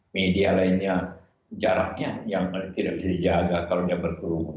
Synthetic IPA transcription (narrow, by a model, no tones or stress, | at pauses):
medialainɲa | d͡ʒaɾak̚ɲajaŋt̪idaʔ̚bisadid͡ʒaɡakaladiabərkuɾu